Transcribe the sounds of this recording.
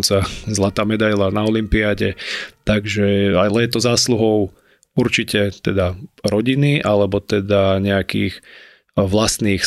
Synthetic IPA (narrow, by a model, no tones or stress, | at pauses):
nt͡sazlat̪aːmɛd̪ajlanaɔlimpiaɟɛt̪aɡʒɛalɛjɛt̪ɔzaːsluɦɔʊ | uɾt͡ʃicɛt̪ɛd̪aɾɔɟiniʔalɛbɔt̪ɛd̪aɲɛakḭːx | ʋlast̪niːx